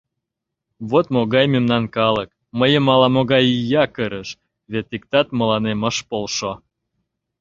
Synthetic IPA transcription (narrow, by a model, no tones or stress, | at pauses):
βot̪moɣɑjmʲemnɑnkɑlək | məjə̆mɑlɑmoɣɑjijɑkəɾəʃ | βet̪ikt̪ɑt̪mə̆lɑnemə̆ʃpolʃo